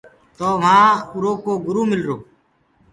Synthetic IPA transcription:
t̪oːʋãːxuɾoːkoːɡʊɾuːmɪlɾoː

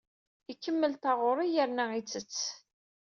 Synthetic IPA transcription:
ikːəmːəlt̪ɑʁʊɾˤijəɾnæit͡sːət͡sː

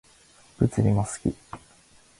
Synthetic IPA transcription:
b̥ɯ̟t͡sɨɾʲimasɨ̥kʲḭ

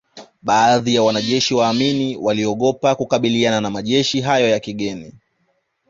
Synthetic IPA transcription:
ɓaːðijawanaʄɛʃiwaːminiwaliɔɠɔpakukaɓiliananamaʄɛʃiɦajɔjakiɠɛni

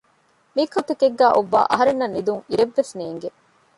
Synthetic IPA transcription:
mikɐt̪ekeɡːæːʔoʋːa̰ːʔɐ̰ɦɐɾenːɐnːid̪uŋiɾeʋːesneːŋɡe

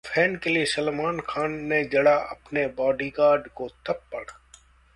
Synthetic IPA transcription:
fʰɛːnkeliesɐlmaːnkʰaːnːed͡ʒɐɽaʔɐpnebɔːɖikaːɾɖkot̪ʰɐpːɐɽa

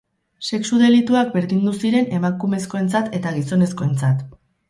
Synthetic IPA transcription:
se̞ksuðe̞lit̪uak̚be̞ɾðind̪usiɾe̞ne̞makume̞sko̞e̞nt͡sat̪e̞t̪aɣiso̞ne̞sko̞e̞nt͡sat̪

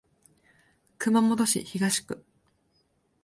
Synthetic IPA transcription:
kɯ̟mamo̞d̪o̞ɕḭçiɡaɕi̥kɯ̟

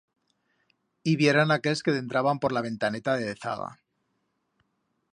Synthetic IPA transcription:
iβje̞ɾanakelske̞ðe̞nt̪ɾaβampo̞ɾlaβ̞e̞nt̪ane̞t̪aðe̞ðeθa̰ɣa̰

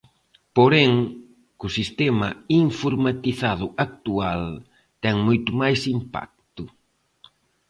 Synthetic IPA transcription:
poɾɛŋ | kʊsist̪ɛmɐiɱfoɾmat̪iθað̞ʊʔak̚t̪ual | t̪ɛŋmojt̪ʊmajsimpa̰k̚t̪ʊ

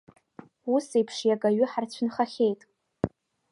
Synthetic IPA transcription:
usejpʰʂjaɡaɥʏħart͡ɕʷʰʊnχaχʲejtʼ

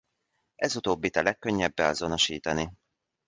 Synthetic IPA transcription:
ʔɛzut̪oːbːit̪ɛlɛkːøɲːɛbːɛɒzono̞ʃiːt̪ɒni

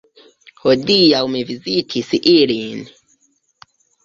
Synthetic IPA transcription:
hodijawmevizitʰisiʔilin

